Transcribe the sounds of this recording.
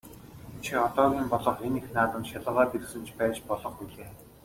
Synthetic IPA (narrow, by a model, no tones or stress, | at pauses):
t͡ɕʰiɔt̪ɔːɣʲiːmpɔɮɞ̆χenixnaːt̪ə̆nʃaɮə̆ʁaːt̪ersɘ̆nt͡ɕʰpæːt͡ɕpɔɮɞ̆χuɮeː